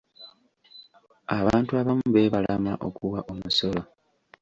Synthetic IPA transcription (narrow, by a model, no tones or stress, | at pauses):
aβaːntuaβamuβe̞ːβalamaʔo̞kuwaʔomuso̞lo̞